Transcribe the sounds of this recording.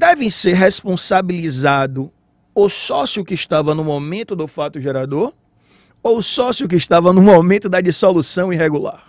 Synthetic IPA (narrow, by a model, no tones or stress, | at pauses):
d̪ɛvẽj̃seɾɦespõsabilizad̪ʊ | ʊsɔsjʊkɪiʃt̪avɐnʊmomẽnt̪ʊd̪ʊfat̪ʊʒɛɾad̪oɾ | oʊsɔsjʊk̬ɪːʃt̪avɐnʊ̃momẽnt̪ʊd̪ɐd͡ʒisolusɐ̃w̃iɦeɡula̰ɾ